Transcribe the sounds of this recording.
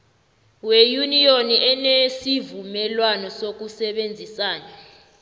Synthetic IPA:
wejunioniʔɛnesivumɛlwanɔsok̬usɛɓend͡zʱisaːɲɔ

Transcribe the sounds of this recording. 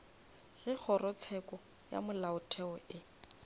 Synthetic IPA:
ɣ̥ɪk͡xʰɔrɔt͡sʰɛkʼɔ | ja̰mʊlaʊtʰɛɔɪ

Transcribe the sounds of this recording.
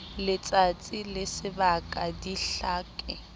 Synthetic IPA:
lɪt͡sʼat͡sʼilɪsɪbakʼadiɬaːkʼɛ

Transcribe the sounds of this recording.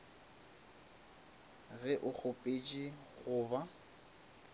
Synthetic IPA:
ɣɛʔʊk͡xʰʊpʼet͡ʃʼiɣʊːba

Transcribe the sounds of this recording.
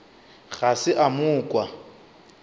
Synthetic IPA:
ɣasɪʔamʊːkʼwa

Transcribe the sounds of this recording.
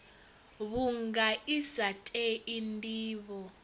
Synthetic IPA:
βuŋɡaʔisatʼɛindʼiːβɔ

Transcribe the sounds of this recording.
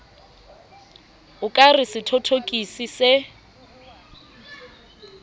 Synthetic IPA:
ʊkʼarɪsɪtʰotʰokʼisisɪ

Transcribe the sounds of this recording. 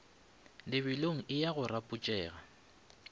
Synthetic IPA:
lɪβɪloŋ̩ʔɪjaɣʊrapʼʊt͡ʃʼɛːɣa

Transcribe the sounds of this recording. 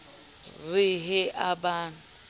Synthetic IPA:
rɪɦɪʔabaːnʊ

